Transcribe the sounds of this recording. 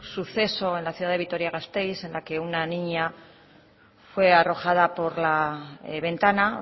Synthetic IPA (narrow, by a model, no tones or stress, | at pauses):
suθe̞so̞e̞nlaθjuðaðe̞it̪o̞ɾjaɣast̪e̞jse̞nlake̞unanĩɲa | fwe̞aro̞xað̞apo̞ɾlaβe̞nt̪ana